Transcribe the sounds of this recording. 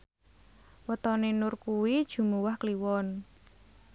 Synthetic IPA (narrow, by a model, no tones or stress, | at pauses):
wət̪ɔnenʊrkuwid̥ʒ̥ṳmuwahkliwɔn